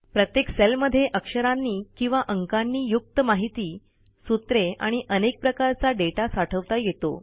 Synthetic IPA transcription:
pɾət̪jekselməd̪ʱːjeʔəkʂəɾanːiːkĩw̃ʋaʔəŋkanːiːjuk̚t̪əmaɦit̪iː | sut̪ɾea̰ɽ̃iʔənek̚pɾəkaɾt͡saɖeʈasaʈʰəʋt̪ajet̪o̰

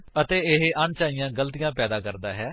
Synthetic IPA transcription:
ət̪eːɪɦʔaɳt͡ʃaːɪjãːɡəlt̪ɪjãːpɛːd̪aːkəɾd̪aːɦɛː

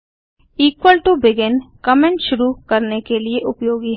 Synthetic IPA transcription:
iːkwəlʈubɪɡɪnkɐmẽɳʈʃʊɾukɐɾnekelieʔʊpjoːɡi

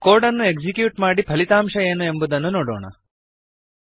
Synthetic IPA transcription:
koːɾɖɐnːue̞kd͡ʒikjuːʈmaːɽipʰɐlit̪aːmʂɐeːnue̞mbud̪ɐnːunoːɽo̰ːɳɐ̰

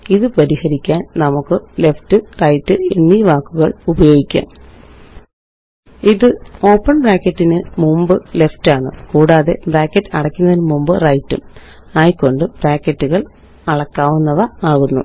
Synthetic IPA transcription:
iðɨpɐɾihɐɾikʲːaːnnɐmukːɨle̞ftɨrɐjtːɨenːiʋaːkːuɣɐɭubɐjo̞ːɡikʲːa̰ːm | iðɨo̞ːpːɐɳbraːkːɐtːinɨmumbɨleftaːɳɨkuːɽaːðe̞̰braːkːɐtːɐɽɐkʲːunːɐðilmumbɨrɐjtːṵm | aːjkːo̞ɳɖɨb̥raːkːɐtːuɣɐɭ | ɐɭɐkːaːʋunːɐʋɐaːɣunːṵ

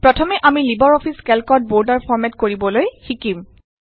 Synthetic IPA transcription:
pɹɔtʰɔmɛʔamilibɔɹɔpʰiskɛlkɔt̚boɹdaɹpʰɔɹmɛtkoɹibɔlojxikim

